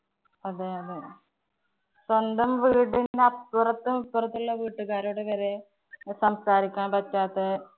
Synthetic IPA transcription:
ɐðeːɐðe | sond̪ɐmʋiːɽindeɐt̪urɐt̪ːumupːɨrɐt̪ːuɭːɐʋiːʈːuɣaːɾuɽeʋɐɾe | sɐmsaːɾikʲːaːnpɐtːaːt̪ːe

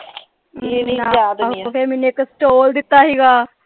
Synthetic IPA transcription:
eːaaːd̪ʰemɛnueksʈoːld̪ɪt̪ːaːɦiːɡaː

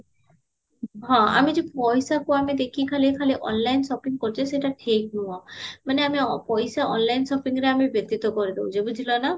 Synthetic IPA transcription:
ɦɔ̃a̰mid͡ʒepɔjsakuamid̪ekʰikʰalikʰaliʔɔ̰nlajnsɔpiŋkoɾit͡ʃʰɔseʈaʈʰek̚nuɔmaneamipɔjsaʔɔnlajnsɔpiŋɾeamibjɔt̪ːit̪ɔkɔɾid̪ebud͡ʒebut̪ʰilɔna

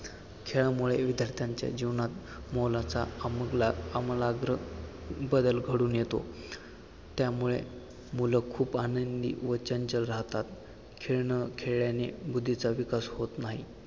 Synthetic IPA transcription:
kʰeɭamuɭeʋid̪ʱjəɾt̪ʰjaɲt͡ɕja̰d͡ʑiʋnat̪molat͡saməɡlaːmlaɡɾəbəd̪əlɡʱəɽuːnjet̪o̰ | t̪jamuɭḛ | muləkʰuːpanənd̪ḭːʋət͡ɕəɲt͡ɕəlɾaɦt̪at̪ | kʰeɭɳəkʰeɭɭjanebud̪ʱːit͡saʋikashot̪naɦi

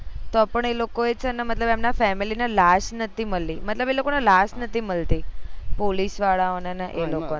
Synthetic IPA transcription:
t̪ɔpəɳelokoet͡ʃʰɛnəmət̪ləbemnafɛmilinelasnət̪ʰiməlimət̪ləbelokonalasnət̪iməlt̪ipolisʋaɭaonanaʔeloko

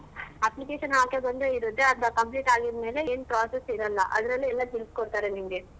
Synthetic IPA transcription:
ɐplikeːʃɐnɦaːkjɐbɐnd̪eiɾut̪ːeɐt̪ɐkɐmpliːʈaːɡid̪me̞ːle̞eːnpɾaːsesiɾɐlːɐ̰ʔɐ̰d̪ɐɾɐlːiɛlːɐɡilpkoɽt̪aːɾenimɡe

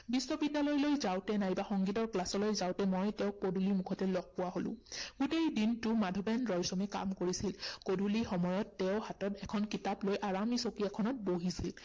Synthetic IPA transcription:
bisːɔbidːalɔjlojzawtɛnajbaxɔŋɡitɔɹklasɔlojzawtɛmɔjtɛʊ̃kodʱulimukʰɔtɛlɔɡ̚pʊwaɦolʊ̰̃ɡutejdintʊmadʱɔbɛnɹɔjsɔmɛka̰mkoɹisilkodʱulixɔmɔjɔtːɛʊ̃hatɔtɛkʰɔnkitaplojʔaɹamisokɹijakʰɔnɔt̚boɦisil

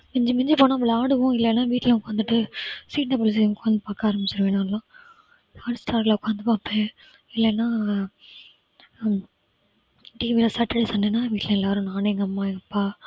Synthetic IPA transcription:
mɪɲd͡ʒɐmɪɲd͡ʒɐpoːnãːʋɐɭaːɽɯʋʊ̃ɪlːɛːnːaːʋiːʈːɪlɛʊkaːnd̪ɯʈːɯsiːʈːɐpɔlɐsikaːnd̪ɯpaːkaaːɾɐmbɪt͡ʃːɐɾɐʋeːnãːlãː | hɐɾsʈaːɾlɐʊkːaːnd̪ɯpaːpẽ | ɪlːɛnːaː | ʈiːʋilɐsɐʈːɪɽɐsɐnɖenːaːʋiːʈːɪlɐ̃ɛlːaːɾʊ̃naːneŋɡɐɐmːaːɛŋɐpːaː

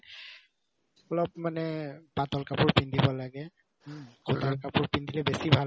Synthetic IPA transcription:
ɔlɔpmanɛpatɔlkapʊɹpindʱibɔlaɡɛ | ɡʰotalkapʊɹpindʱilɛbesibʱal

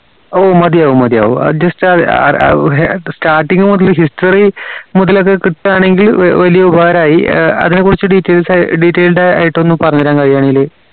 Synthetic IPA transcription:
oːmɐd̪ijaːʋumɐd̪ija̰ːʋṵd͡ʑɐstɨɐ̰ | sʈaːrʈːiŋɡɨmuðɐlɦisʈɐrimuðɐlo̞k̬ːe̞kiʈːɨaːɳe̞ŋɡilʋɐlijɐubaːɐɾaːjiɐ̰ðinekːurit͡ɕːɨɖiːtːeːlsaɖiːtːeːlɖea̰ːjiʈːonːɨpɐrɐɲːɐɾaːnkɐɻijaːɳeilːeː

